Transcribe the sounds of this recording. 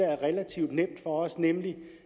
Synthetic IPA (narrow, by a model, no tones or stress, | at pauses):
ææɐʁɛlæt͡sʰiʊ̰d̥nem̰d̥fɒ̽ɒ̽snemli